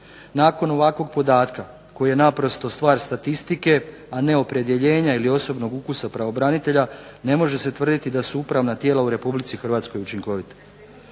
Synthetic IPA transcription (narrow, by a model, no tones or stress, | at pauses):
naːko̞no̞ʋakʋo̞ɡpo̞d̪aːt̪ka | ko̞jije̞napɾo̞st̪o̞st̪ʋaːɾst̪at̪ist̪ike̞ | ane̞o̞pɾe̞d̪je̞ʎe̞ːɲailio̞so̞bno̞ɡukusapɾaʋo̞bɾanit̪e̞ʎane̞mo̞ʒe̞se̞t̪ʋr̩d̪it̪id̪asuupɾaʋnat̪je̞ːlauɾe̞publit̪sixr̩ʋaːt̪sko̞jut͡ʃiŋko̞ʋit̪ḁ